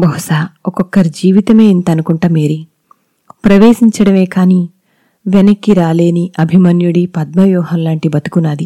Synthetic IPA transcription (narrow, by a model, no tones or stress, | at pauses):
bɐɦusaːɔkɔkːɐɾid͡ʒiːʋit̪ɐme̞ːint̪ɐnukuɳʈaːmeːɾi | pɾɐʋeːʃiɲt͡ʃɐɽɐme̞ːkaːniː | ʋɛnɐkːiɾaːle̞ːniʔɐbʱimɐnjuɽipɐd̪̚mɐʋjɔːɦɐnlaːɳʈibɐt̪u̥kunaːd̪i